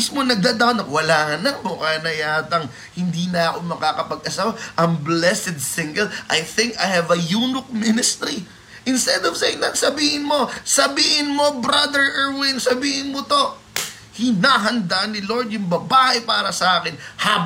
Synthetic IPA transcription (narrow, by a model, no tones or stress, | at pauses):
ismonɐɡ̚d̪aːd̪awnɐkwɐlaːhɐnɐŋmokanɐjaːt̪ɐŋ | hɪnd̪inɐɐkomɐkaːkɐpɐɡʔɐsaːwɐʔɐŋblɛsɛd̪̚sɪ̃ŋɡɛlʔɐjθɪ̃ŋkɐjhɐvɐjuːnʊk̚mɪnɪst̪ɾi | ʔɪnst̪ɛd̪ov̥sɛnɐŋsɐbiːhɪnmo̞sɐbiːhɪnmo̞bɾad̪ɛɹʔɛɹwɪnsɐbiːhɪnmot̪o̞ | hɪnaːɦɐnd̪aʔnɪloɹd̪jʊŋbɐbaːhɛpaːɾɐsɐʔaːkɪnha